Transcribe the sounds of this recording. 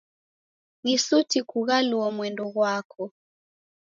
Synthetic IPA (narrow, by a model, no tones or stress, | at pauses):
ŋisutikuɣaluɔmwɛndɔɣwakʰɔ